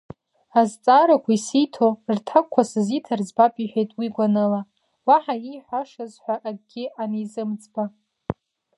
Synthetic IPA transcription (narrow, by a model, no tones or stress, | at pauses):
azt͡sʼaɾakʷʰaisijtʰortʰakʷʰːasɨzitʰarzbapʼiħʷᶣejtʼwiɡʷanɨla | waħaiħʷaʂazħʷaʔad̚ɡʲɪanezɨmt͡sʼba